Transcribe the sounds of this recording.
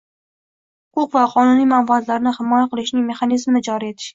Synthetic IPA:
hʊqʰʊqvaqʰɒnʊnijmambazlaɾnɪhɪmɒjaqʰɨlˠɪʃnɪŋme̞χɑnizmnɪd͡ʒɒɾie̞t̪ʰɪ̥ʃ

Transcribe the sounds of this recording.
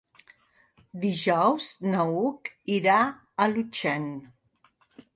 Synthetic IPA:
d̪iʒɔwznəukiɾa | əlut͡ʃɛn

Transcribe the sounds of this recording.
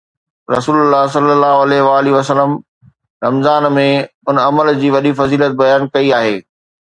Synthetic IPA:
ɾɐ̰suːlʊlːaːɦs̬ɐlːəlːaːɦoɐlɛɦɪʋaːliʋɐsələm | ɾɐmzaːnmẽʊnɐməld͡ʑiːʋɐɗifɐziːlət̪̚bɐjaːnkɐiaːɦeː

